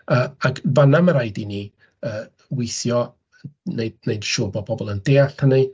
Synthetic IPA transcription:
əːakvanaməɾajdini | əː | wɪjθjɔ | nejdnejd̥ʃʊːbɔbɔbɔlˠəndeːaɬhəni

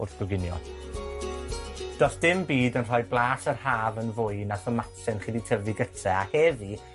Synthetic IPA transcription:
ʊrθɡ̥ɔɡɪnjɔ̰ | d̥ɔsd̥ɪmbiːdənr̥ɔjblˠaːsərhaːvənvʊɨnaθɔmatʰɛnχiditʰəviɡətʰɛahɛði

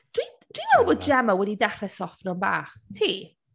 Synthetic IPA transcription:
d̥ʰwi | d̥ʰwinolˠbɔːd̚d͡ʒɛmawɛdidɛχrɛsɔfrɔnba̰ːχtʰiː

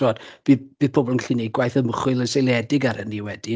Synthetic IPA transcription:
oːd̥v̥ibiðpʰoːbɔlˠənɬʰɨneɡwajθəməχʊlˠənsejlˠɛdɪɡaɾənːiwɛdi

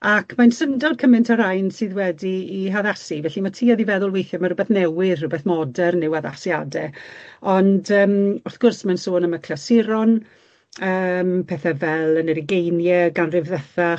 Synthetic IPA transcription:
akʰmansəndɔd̚kʰəmɪntʰaɾajnsɨːðwɛdiːɦaðasivɛɬimatʰiːɔðivɛðʊlˠwejθjɔmarʊbɛθnɛwɪðrʊbɛθmɔdɛrnɪwaða̰sja̰dɛɔndəːmʊrθɡ̥ʊrsmansoːnəmakʰlɛsɪɾɔn | əːmpʰɛːθɛvɛlˠənəɾɪɡejnjɛɡanrɪvðɛθa

